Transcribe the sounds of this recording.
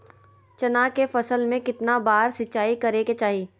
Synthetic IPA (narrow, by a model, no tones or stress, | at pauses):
t͡ʃɐnakefɐsəlmẽkɪt̪nabaːɾsɪtːt͡ʃaːikɐɾeket͡ʃaːɦiː